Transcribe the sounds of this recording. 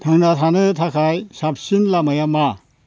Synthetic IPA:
tʰaŋnatʰanɯtʰakʰajsap̚sinlamajama

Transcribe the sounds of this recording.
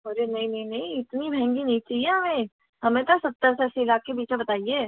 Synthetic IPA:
ɐɾenɐɦĩnɐɦĩnɐɦĩɪt̪nibʱɛɛ̃ŋɡinɐɦĩt͡ʃaːɦieɦɐmẽ | ɦɐmẽt̪osɐt̪ːəɾsɛːseɪlaːkːebiːt͡ʃẽbɐt̪aːieː

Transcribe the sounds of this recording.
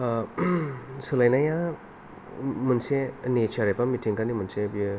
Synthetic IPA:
sɯlajnaja | munsenit͡ʃʰaɾepamitʰiŋkanimunsebiɯ

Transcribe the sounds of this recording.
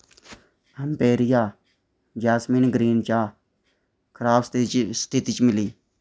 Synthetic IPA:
əmpeːɾɪjaː | d͡ʒaːsmiːnɡɾiːnt͡ʃaː | kʰɾaːpst̪ʰɪt̪iːt͡ʃmɪliː

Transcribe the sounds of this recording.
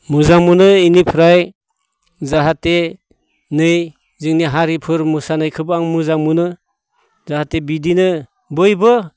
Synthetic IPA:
muzaŋmunɯinipʰɯɾaj | zaɦate | nɯj | zɯŋniɦaɾipʰɯɾmusanɯjkʰɯbɯaŋmɯzaŋmunɯ | zaɦatebidinɯ | bɯjbɯ

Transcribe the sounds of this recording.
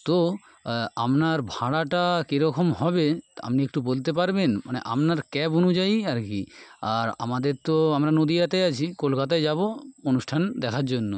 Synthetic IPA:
t̪o | amnaɾbʱaɽaʈakeɾɔkʰomhɔbea̰mniek̚ʈubolt̪epaɾbenmanḛʔa̰mnaɾkɛbonud͡ʑajaɾkiaɾa̰mad̪eɾt̪oamɾanod̪iat̪eat͡ɕʰikolkat̪aed͡ʑaβoonuʃʈʰand̪ɛkʰaɾd͡ʑonːo̰

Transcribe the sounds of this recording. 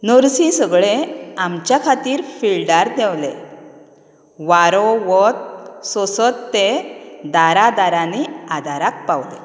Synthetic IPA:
nəɾsĩsəɡɭeamt͡ɕjakʰat̪iːɾfilɖaɾd̪ɛwle | ʋaɾoʋɔt̪̚sɔsət̪ːed̪aɾad̪aɾaniad̪ʱaɾak̚pawlḛ

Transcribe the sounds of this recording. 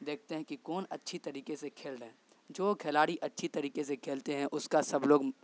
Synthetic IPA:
d̪eːkʰt̪eɦɛ̃kikɔːnɐtːʃʰit̪ɐɾiːkesekʰeːlɾəɛ̃ː | d͡ʒoːɡʰʱelaːɽiʔɐtːʃʰit̪ɐɾiːkesekʰeːlt̪eɦɛ̃ʔʊskasɐbloːɡ

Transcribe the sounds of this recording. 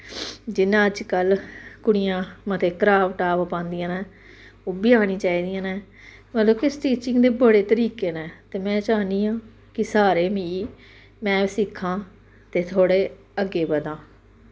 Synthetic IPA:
d͡ʒɪnãːəd͡ʒkəlkʊɽɪjãːmət̪ʰeːkəɾaːʋʈaːʋpãːnd̪ɪjãːnɛ̃ː | oːbiːaːɽ̃iːt͡ʃaːiːd̪ɪjãːnɛ̃ː | məloːkɪsʈiːt͡ʃɪŋɡd̪eːbəɽeːt̪əɾiːkeːnɛ̃ːt̪eːmɛ̃ːt͡ʃaːniːãː | kɪsaːɾeːmiː | mɛ̃ːsɪkʰːãː | t̪eːt̪ʰoːɽeː | əɡːeːbəd̪ãː

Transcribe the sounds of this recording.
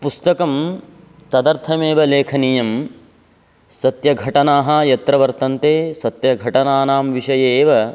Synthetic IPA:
pust̪ɐkɐm | t̪ɐd̪ɐɾt̪ʰɐmeːʋɐleːkʰɐnijɐm | sɐt̪jɐɡʱɐʈɐnaːɦɐjɐt̪ɾɐʋɐɾt̪ɐnt̪eːsɐt̪jɐɡʱɐʈɐnaːnaːmʋiʂɐjeːʋɐ

